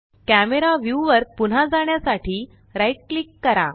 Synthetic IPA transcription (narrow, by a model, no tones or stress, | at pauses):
kæmeɾaʋjuʋəɾpun̤ad͡zaɳjasaʈʰiː | ɾaiʈ̚klikːəɾa̰